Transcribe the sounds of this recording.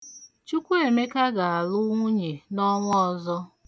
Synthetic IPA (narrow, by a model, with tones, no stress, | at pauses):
t͡ʃu˦kʷu˦e˨me˦ka˦ɡa˨a˨lʊ˦ŋʷu˦ɲe˨nɔ˦ŋʷ˦ɔ˨zɔ˦